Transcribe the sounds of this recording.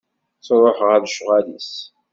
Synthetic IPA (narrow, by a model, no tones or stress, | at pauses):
t͡sˤɾˤoħʁæðʃʁælis